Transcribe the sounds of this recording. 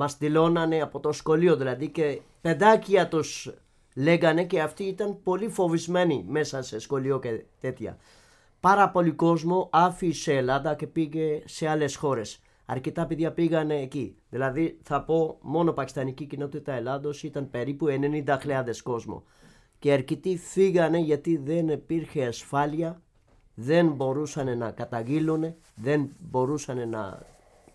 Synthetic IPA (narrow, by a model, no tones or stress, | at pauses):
mɐst̪ilo̞nɐne̞ɐpo̞t̪o̞sxo̞lio̞ðilɐðice̞ | pe̞d̪ɐciɐt̪us | le̞ɣɐne̞ce̞ɐft̪iːt̪ɐnpo̞lifo̞vizme̞nime̞sɐse̞sxo̞lio̞cet̪e̞t̪çɐ̰ | pɐɾɐpo̞liko̞zmo̞ʔɐfiseːlɐnd̪ɐce̞piʝe̞se̞ɐle̞sxo̞ɾe̞s | ɐ̰ɾcit̪ɐpiðʝɐpiɣɐne̞ːciðilɐðiθɐpo̞mo̞no̞pɐcist̪ɐnicicino̞t̪it̪ɐelɐnd̪o̞sit̪ɐnpe̞ɾipue̞ne̞nind̪ɐxleɐðe̞sko̞zmo̰ | ce̞ɐɾcit̪ifiɣɐne̞ʝɐt̪iðe̞nipiɾçe̞ɐsfɐliɐ | ðe̞nbo̞ɾusɐne̞nɐkɐt̪ɐʝilune̞ | ðe̞nbo̞ɾusɐne̞nɐ̰